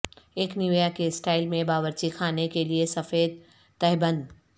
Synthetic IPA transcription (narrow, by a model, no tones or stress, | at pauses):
eːkniʋjakesʈaːɪlmẽbaːʋəɾt͡ʃikʰaːnekeliesɐfeːd̪̚ | t̪ɛɦbə̃nd̪